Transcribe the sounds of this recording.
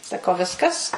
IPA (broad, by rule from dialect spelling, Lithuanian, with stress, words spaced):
sɐˈkɐʊ ˈʋʲɪskɐs